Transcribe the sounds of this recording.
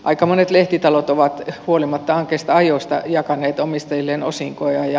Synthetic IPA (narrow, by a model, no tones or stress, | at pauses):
ʔɑikɑmonet̪leht̪it̪ɑlot̪oʋɑt̪huolimɑt̪ːɑɑŋkeːst̪ɑɑjost̪ɑ̰jɑkɑneːt̪omist̪ɑjilːeːnosiŋkojɑjɑ